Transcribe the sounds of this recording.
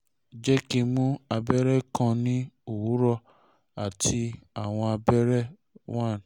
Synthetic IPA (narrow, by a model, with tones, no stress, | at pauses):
d͡ʒɛ˦ki˧mũ˦a˧bɛ˦ɾɛ˦kã˧nĩ˦u˦˨wu˨˦ɾɔ˧ | a˨tʰi˧a˨w̃ɔ̃˧a˧bɛ˦ɾɛ˦ | wa˦˨